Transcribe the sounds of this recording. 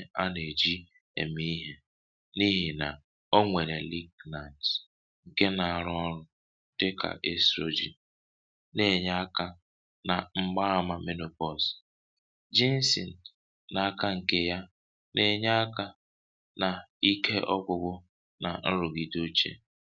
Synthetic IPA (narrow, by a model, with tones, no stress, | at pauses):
a˦ne˨d͡ʒi˦ | ḛ˨mi˦ɦe˦ | ni˦ɦi˨na̰˨ | o˦ŋʷe˨ɾe˨li˦ɡna˨nt | ŋ̩˨ke˦na˨a˨ɾʊ˦ɔ˦ɾʊ˦ | te˦kʰa̰˨ʔe˦stɾo˦d͡ʒḭ˨n | ne˨ɲa˦a˦ka˦ | na˨ŋ͡m̩˦ɡ͡ba˦a˦ma˦me˦no˨pɔ˨s | d͡ʒi˦n̩˦sḭ˨n̩˨ | na˨a˦ka˦ŋ̩˨ke˦ja˦ | ne˨ɲa˦a˦ka˦ | na˨i˦kʰe˦ʔɔ˦kʊ˨ɡʊ˦ | na̰˨n̩˦ɾʊ˨ɡi˨do˦t͡ʃḛ˦